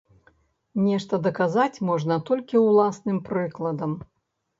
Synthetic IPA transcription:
nʲɛʂt̪ɐd̪ɐkazat͡sʲmɔʐnɐt̪ɔlʲkʲiwlˠasnɨmpɾɨklˠɐd̪ɐm

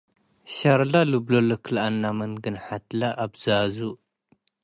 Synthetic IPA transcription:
ʃaɾlalɨblolokʰɨlanːamɐnɡɨnħat̪laʔabzɨazu

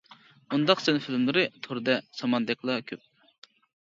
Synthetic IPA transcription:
und̪ɑqsɛnɪfilmlˠɨɾɨt̪ʰoɾd̪ɛsɑmɑnd̪ɛkʲlˠɑkʲʰøp̚

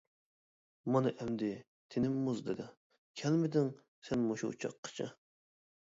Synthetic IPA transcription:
mɑnɨʔɛmd̪ɪ | t̪ʰɪnɪmːuzd̪ɪd̪ɑ | kʲʰɛlmɪd̪ɪŋ | sɛnmoʃṵṵt͡ʃʰɑ̰qʰːə̥t͡ʃʰɑ̰

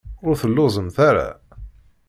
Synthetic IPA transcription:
ʊɾθəlːʊzˤənθaɾa̰

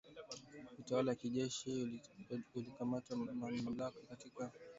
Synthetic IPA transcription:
utawalajakiʄɛʃi | ulikamatamamam̩lakakatika

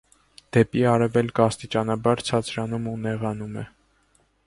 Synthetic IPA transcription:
d̪̥ɛpiɑɾɛvɛlkɑst̪it͡ʃɑnɑbɑɾt͡sʰɑt͡sʰɾɑnumunɛʁɑnumɛ̰

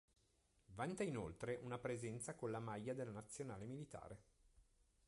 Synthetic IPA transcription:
vant̪ainolt̪ɾeʔunapɾezɛnt̪sakonlamajːad̪elːanat̪sːjonaːlemilit̪a̰ːɾe

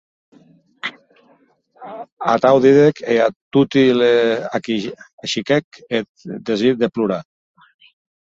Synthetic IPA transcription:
a̰t̪awðiðekeat̪ut̪ileaki | aʃikɛket̪d̪ezit̪̚d̪epluɾa

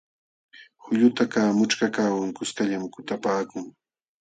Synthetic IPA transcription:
hʊʎʊt̪akaːmʊt͡ʃkakaːwaŋkʊskaʎamkʊt̪apaːkʊŋ

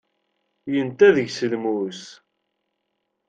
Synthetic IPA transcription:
jənt̪æðəʝsəlmus

